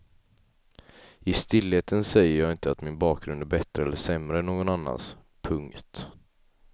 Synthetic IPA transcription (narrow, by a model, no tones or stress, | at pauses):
ɪst̪ɪlːheːt̪ʰənsɛjːəɾjɑːɡɪnt̪əat̪mɪnbɑːk̚ɡɾɵnd̪æɾbɛt̪ɾəɛlːəʂɛmɾəɛnːoːɡɔnanːa̰ns | pʰɵŋkt̪